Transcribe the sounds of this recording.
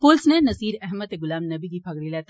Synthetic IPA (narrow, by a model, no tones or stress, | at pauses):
poːlsnẽnɐsiːɾɛɦmət̪eɡʊlaːmnɐbiɡ̪ipʰɐɡɽilɛːt̪